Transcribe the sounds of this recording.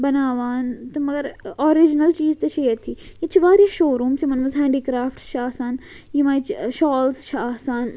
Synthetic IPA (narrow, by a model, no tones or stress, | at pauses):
bɐnaːʋaːnt̪ɐmɐɡəɾoːɾid͡ʒnəlt͡ʃiːzt̪ɐʃeːəɾt̪ʰiːjit͡ʃʰʋaːɾijaʃoːɾũːmsemɐnmɐzɦɛ̃ːɳɖiːkɾaːfʈʃaːsaːn | jimãːt͡ʃʰʃɔːlsʃaːsaːn